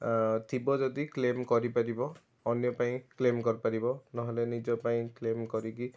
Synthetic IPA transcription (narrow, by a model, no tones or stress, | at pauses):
t̪ʰibɔd͡ʒɔd̪iklemkɔɾipaɾibɔː | njɔpaĩklemkɔɹpaɾibɔnɔɦɔlenid͡ʒɔpaĩklemkɔɾiki